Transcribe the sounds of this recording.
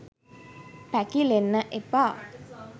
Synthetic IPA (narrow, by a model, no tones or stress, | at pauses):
pækilenːəʔepaː